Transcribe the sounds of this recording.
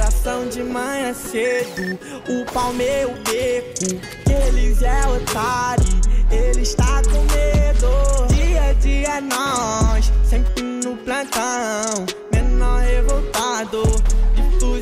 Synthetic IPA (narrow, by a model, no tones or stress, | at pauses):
ɾasɐ̃w̃d͡ʒɪmɐ̃j̃ɐsed̪ʊ | ʊpawmeʊbekʊ | elizɛot̪aɾieliʃt̪akõmed̪od͡ʒiɐd͡ʒiɐnɔssẽpɾinʊplɐ̃nt̪ɐ̃ | mẽnɔhevowt̪ad̪ot̪u